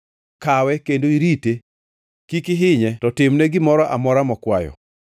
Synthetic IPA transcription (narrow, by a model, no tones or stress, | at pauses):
kawɛkendoiɾite | kikɪɦɪɲɛtɔtɪmnɛɡɪmɔɾɔʔamɔɾamɔkwajɔ̰